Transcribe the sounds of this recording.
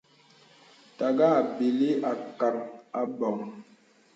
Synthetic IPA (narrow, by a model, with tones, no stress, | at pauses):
ta˨ɡa˦˨bi˨li˦a˨ka˨ɾa˨bɔ˨ŋ